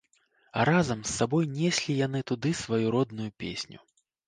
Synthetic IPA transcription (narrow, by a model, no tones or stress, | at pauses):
ɐ̰ɾazɐmsːabɔjnʲɛsʲlʲijan̪ɨt̪ud̪ɨsvajuɾɔd̪nujupʲḛsʲnʲṵ